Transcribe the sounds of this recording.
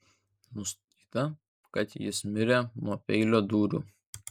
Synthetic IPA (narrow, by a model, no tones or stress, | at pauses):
nʊst̪ɐt̪ʲi̥ːt̪ɐ | kɐt̪jɪsmʲɪɾʲemopʲɛɪlʲoːd̪uːɾʲṵː